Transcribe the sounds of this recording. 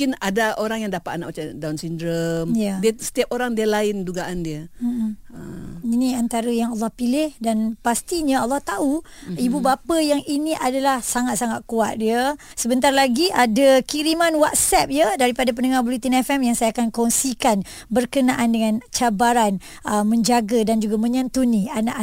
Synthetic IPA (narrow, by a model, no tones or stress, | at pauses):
kɪnadaoɾaŋjaŋdapat̪̚anaʔmat͡ʃadawnsindɾəmjadiəsə̥t̪iap̚oɾaŋdiəlaɪnduɡaʔandiə | əinĩant̪aɾəjaŋɑlːɑhpilɪhdanpast̪iɲãɔlːɑht̪auibubapəjaŋinĩʔadalahsaŋat̪̚saŋat̪̚kuat̪̚diə | səbənt̪arlaɡiʔadakiɾimanwat̪̚sɛp̚jədaɾipadap̬ənəŋarbulit̪inɛfɛmjaŋsajaːkankɔnsikan | bərkənaʔandəŋãnt͡ʃabaɾan | əmə̃ɲd͡ʒaɡadand͡ʒuɡamə̃ɲãnt̪unianaʔa